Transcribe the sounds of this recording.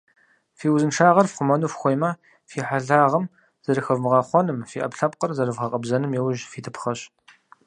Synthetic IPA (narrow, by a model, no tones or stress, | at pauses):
fiːwzɨnʂaːʁɐrfqʷʊmɐnufxʷɔjmɐ | fiːħaɮaːʁɐm | z̥ɐɾɨxɐvmɨʁɑːχʷɔnɨmfiːʔɐ̰pɬɐp̚qərzɐrɨvʁɐqʼɐbzɐnɨmjɛwʒfiːtʰɨpχɐɕ